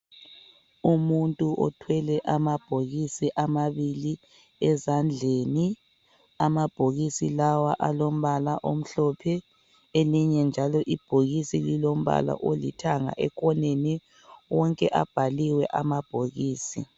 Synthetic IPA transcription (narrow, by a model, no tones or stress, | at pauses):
umuntʼuʔɔ̰tʰwɛlɛʔamab̥ʱoɣisiʔamaβili | ɛzand͡ɮʱeni | amab̥ʱoɣisilawaʔalom̩βalaʔom̩ɬɔpʰɛ | eliɲɛnd͡ʒʱalɔʔib̥ʱoɣisililom̩βa̰la̰ʔolḭtʰaŋa̰ʔɛk̬ʰʼɔneni | wɔŋkʼɛʔa̰b̥ʱaliwɛʔamab̥ʱoɣiːsḭ